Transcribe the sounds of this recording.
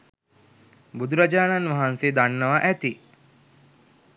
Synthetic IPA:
bud̪uɾad͡ʒaːnanʋaɦanseːd̪anːəʋaʔæt̪i

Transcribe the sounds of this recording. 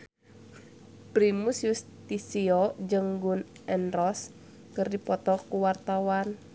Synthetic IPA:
pɾimusjust̪isiɔd͡ʒəŋɡun | ʔɛnɾɔs | kɨrdipɔt̪ɔkuwart̪awan

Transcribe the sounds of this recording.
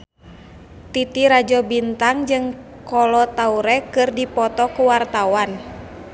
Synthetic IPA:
t̪it̪iɾad͡ʒɔbint̪aŋd͡ʒɨŋ | kɔlɔt̪auɾɛkɨrdipɔt̪ɔkuwart̪awan

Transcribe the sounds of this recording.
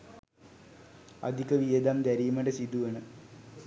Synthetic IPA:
ɐ̰d̪ʱikɐʋied̪aːmd̪ɐɾijmɐɖesid̪ueɳɨ

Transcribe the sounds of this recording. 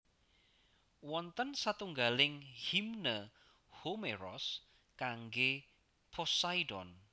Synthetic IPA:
wɔnt̪ənsat̪uŋɡalɪŋhimnə | homeɾɔ̰s | kaŋɡe | pʰɔsaidɔn

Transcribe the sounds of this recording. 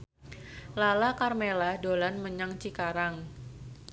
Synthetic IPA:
lalakarmeladolanməɲaŋt͡ʃikaɾaŋ

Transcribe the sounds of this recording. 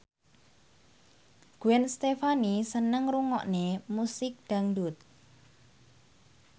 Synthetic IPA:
ɡ̥uɛnst̪efanisənəŋruŋɔ̰ʔnemusɪk̚ɖ̥a̤ŋdut̪̚

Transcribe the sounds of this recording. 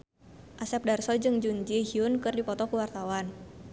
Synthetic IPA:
ʔasɛp̚darsɔd͡ʒɨŋd͡ʒuɲd͡ʒihiunkɨrdipɔt̪ɔkuwart̪awan

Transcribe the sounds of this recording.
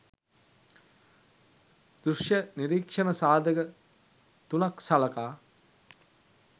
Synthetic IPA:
d̪̥ɾuʂjəniɾiːkʂənəsaːd̪əɡə | t̪unaksalɐkaː

